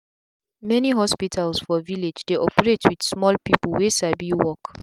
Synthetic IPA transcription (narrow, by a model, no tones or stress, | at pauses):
mɛniɦɔspitʰalsfɔviled͡ʒdeʔɔpəɹetʰwid̥smɔlpipəlwesabiwɔk